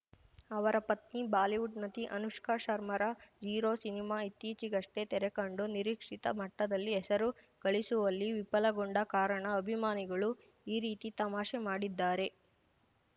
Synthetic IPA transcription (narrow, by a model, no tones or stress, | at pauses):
ɐʋɐɾɐpɐt̪̚nibaːliʋuʈnɐt̪iʔɐnuʂkaːʃɐɾmɐɾɐd͡ʒiːɾoːsinimaːit̪ːiːt͡ʃiɡɐʂʈe̞t̪ɛɾekɐɳɖuniɾiːkʂit̪ɐ̰mɐʈːɐd̪ɐlːiɛsɐɾu | ɡ̥ɐɭisuʋɐlːiʋipɐlɐɡoɳɖɐkaːɾɐɳɐɐbʱimaːniɡɐɭu | iːɾiːt̪it̪ɐmaːʃemaːɽid̪ːaːɾe̞